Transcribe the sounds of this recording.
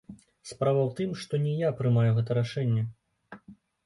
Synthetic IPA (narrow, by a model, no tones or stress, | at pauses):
spɾavɐwt̪ɨmʂt̪ɔnʲɛjapɾɨmajuɣɛt̪ɐɾaʂɛnʲːɛ